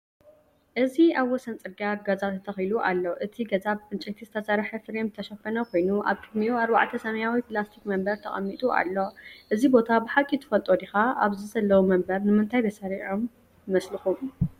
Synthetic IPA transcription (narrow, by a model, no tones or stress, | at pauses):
ʔɨziaβwɔsɐnt͡sʼɨɾɡaɡɐzaɨt̪ʰɐxjluʔa̰lːo̞ʔɨt̪ʰiɡɐzaβɨnt͡ʃʼɐt̪ʰizɨt̪ʰɐsɐɾħɐfɨɾemt̪ʰɐʃɐfɐnɐkʰʷo̞jnuʔa̰βkʼɨd̪mijuaɾba̰ʕt̪ʰɐsɐmɐjawiplast̪ʰikmɐmbɐɾt̪ʰɐ̰χʼɐ̰mːit̪ʼuʔa̰lːo̞ʔɨzibo̞t̪ʰabɨħakʼit̪ʰɨ̥fɐlt̪ʼod̪ixaʔaβzɨzɐlːɐwumɐmbɐɾnɨmɨnt̪ʰajbɐsɐɾiʕom | mɐslɨxum